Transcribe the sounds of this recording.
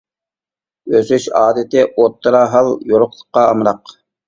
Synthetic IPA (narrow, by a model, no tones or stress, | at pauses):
øsyʃɑːd̪ɪt̪ɪʔot̪ːɨɾɑɦɑlˠjoɾʊqlˠə̥qːɑːmɾɑq